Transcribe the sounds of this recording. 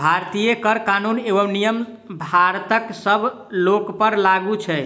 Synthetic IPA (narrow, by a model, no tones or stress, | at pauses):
bʱaɾt̪ijekəɾkanuneʋəmnijəm | bʱaɾt̪əksəbʱ | lokpəɾlaɡut͡ʃʰɛ